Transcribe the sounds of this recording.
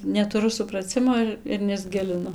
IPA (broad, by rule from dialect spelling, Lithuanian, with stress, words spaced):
nʲɛtʊˈrʊ sʊprɐˈt͡sʲɪmoː ɪr ɪr nʲɛzʲˈɡʲɪlʲɪnʊ